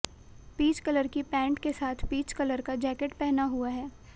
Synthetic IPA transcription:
piːt͡ʃkələɾkipɛ̃ːɳʈkesaːt̪ʰpiːt͡ʃkələɾkad͡ʒɛːkeʈpɛɦnaɦuaɦɛː

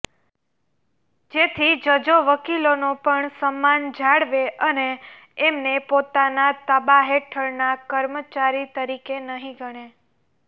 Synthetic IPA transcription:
d͡ʒet̪ʰid͡ʒəd͡ʒoʋəkilonopəɳsəmːand͡ʒaɽʋeʔəneː | mnepot̪anat̪əbaɦeʈʰəɾnakəɾmət͡ʃaɾit̪əɾikenəɦĩɡʱəɽ̃e

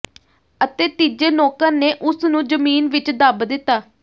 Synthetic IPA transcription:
ət̪eːt̪iːd͡ʒeːnoːkəɾneːʔʊsnũːd͡ʒəmiːnʋɪt͡ʃd̪əbd̪ɪt̪ːaː

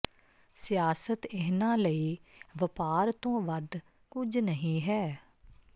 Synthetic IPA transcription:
sɪjaːsət̪ɪɦnãːləiːʋəpaːɾt̪õːʋəd̪ | kʊd͡ʒnəɦĩːɦɛː

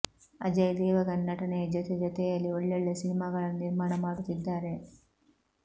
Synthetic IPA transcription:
ɐ̰d͡ʒɐjd̪ɛːʋɐkɐnːɐʈɐned͡ʒɐt̪ed͡ʒɐt̪ejɐlːioɭːeɭːɐsinimaːɡɐɭɐlniɾmaːɳɐmaːɽut̪ːid̪ːaːɾe̞

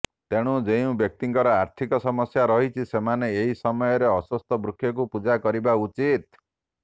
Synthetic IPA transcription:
t̪eɽ̃ũd͡ʒeũbjɔk̚t̪iŋkɔɾɔaɾt̪ʰikɔsɔmɔsjaɾɔɦit͡ʃʰisemaneːɦisɔmɔjɔɾeɔswɔst̪ɔbɾukʰːjɔk̬upud͡ʒakɔɾibaut͡ʃit̪̚

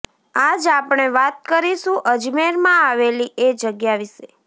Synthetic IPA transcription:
ad͡ʒapɳ̃eʋat̪̚kəɾiʃũʔəd͡ʒmeɾmãaʋeliʔed͡ʒəɡjaʋiʃe

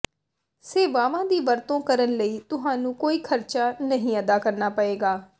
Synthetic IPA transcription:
seːʋaːmãːd̪iːʋəɾt̪õːkəɾənləiːt̪ʊɦãːnũːkoːiːkʰəɾt͡ʃaːnəɦĩːəd̪aːkəɾnaːpəeːɡaː

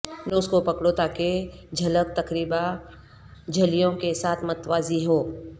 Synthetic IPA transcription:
nʊskopɐkɽot̪aːked͡ʒʱɐlək̚t̪ɐkɾiːba | d͡ʒʱɐlijõkesaːt̪ʰmɐt̪ʋaːziɦoː

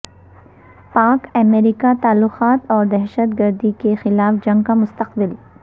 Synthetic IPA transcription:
paːkɐmeːɾikat̪aːlːʊqaːt̪ɔːɾd̪ɛɦʃət̪̚ɡəɾd̪ikexɪlaːfd͡ʒɐ̃ŋɡkamʊst̪əqbɪl

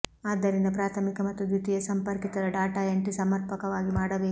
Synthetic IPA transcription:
aːd̪ɐɾind̪ɐpɾaːt̪ʰɐmikɐmɐt̪ːud̪jut̪ijɐsɐmpɐɾkit̪ɐɾɐɖaːʈaːjeɳʈisɐmɐɾpɐkɐʋaːɡimaːɽɐʋeː

